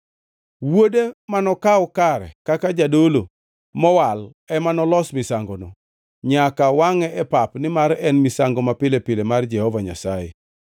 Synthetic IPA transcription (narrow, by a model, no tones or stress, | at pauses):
wodemanɔkaɔkaɾɛ̰kakad͡ʒadolo | mɔwal | ɛmanɔlɔsmɪsaŋɡɔnɔ | ɲakawaŋɛɛpapnɪmaɾɛnmɪsaŋɡɔmapɪlepɪlemard͡ʒɛhɔvaɲa̰sajḛ